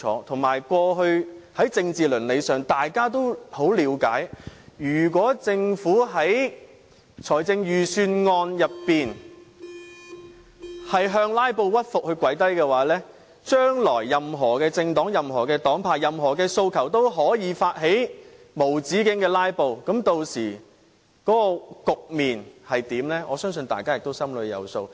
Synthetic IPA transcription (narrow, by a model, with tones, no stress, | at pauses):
ɔː˨˥t̪ʰʊ˨˩ŋmaː˨˩jkʷɔː˧ɦɵ˧ɥhɐ˨˥jt͡sɪ˧ŋt͡siː˨lɵ˨˩nle˨˧jsœː˨ŋt̪aː˨jkaː˥t̪o˥who˨˥wliː˨˥wka̰ː˨˥jjyː˨˩k̬ʷɔː˨˥t͡sɪ˧ŋfuː˨˥ɦɐ˨˥j | t͡ʃʰɔː˨˩jt͡sɪ˧ŋjyː˨syː˧nŋɔː˧njɐ˨pːiː˨n | hɐ˨jɦœː˧ŋlaː˥jpo˧wwɐ˥t̚fʊ˨k̚hɵ˧ɥkʷwɐ˨˥jt̪ɐ˥jkɛː˧waː˨˥lɛː˥ | t͡ʃœː˥ŋlɔː˨˩jːɐ˨mɦɔː˨˩kɛː˧t͡sɪ˧ŋt̪ɔː˨˥ŋjɐ˨˩mɦɔː˨˩kɛː˧t̪ɔː˨˥ŋpʰaː˨˩jɐ˨mɦɔː˨˩kɛː˧so˧wkʰɐ˨˩wt̪o˥wɦɔː˨˥jiː˨˧faː˧t̚ɦe˨˥j | mo˨˩wt͡siː˨˥kɪ˨˥ŋkɛː˧laː˥jpo˧wkɐ˨˥mt̪o˧wsiː˨˩ | kɔː˨˥kɔː˧kʊ˨k̚miː˨nhɐ˨jt̪iː˨˥mlɛː˥ʔɔː˨˧sœː˥ŋs̬ɵ˧nt̪aː˨jkaː˥jɪ˨k̚t̪o˥wsɐ˥mlɵ˨˧ɥjɐ̰˨˧wso˧w